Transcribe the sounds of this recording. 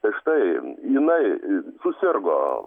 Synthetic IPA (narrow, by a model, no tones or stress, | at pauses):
t̪ɐɪʃt̪ɐɪɪnɐɪsʊsʲɪrɡo̰ː